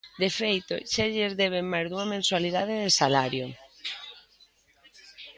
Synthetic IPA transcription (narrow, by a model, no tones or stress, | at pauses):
d̪efejt̪o̰ʃaʎezðɛβ̞eŋmajzðuŋɐmẽnswaliðaðeðesalaɾjo